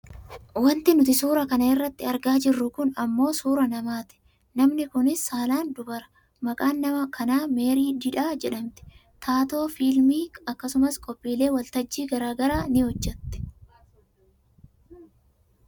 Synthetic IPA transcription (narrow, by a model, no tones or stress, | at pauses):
wɐnt̪ɪnʊt̪ɪsuːɾɐkɐnɐɪrːɐt̪ːɪɐɾɡaːd͡ʒɪrːʊkʊnɐmːo̞ːsuːɾɐnɐmaːt̪ɪ̥ | nɐmnɪkʊnɪsːaːlaːnd̪ʊbɐɾɐ̥ | mɐkʼaːnːɐmɐkʰɐnaːme̞ːɾiːd̪ɪᶑaːd͡ʒɛᶑɐmt̪ɪ̥ | t̪ʰaːt̪o̞ːfiːlmiːɐkːɐsʊmɐskʼɔpʼːiːle̞ːwɐlt̪ɐd͡ʒːiːɡɐɾaːɡɐɾaːnɪhɔd͡ʒːɛt̪ːɛ̥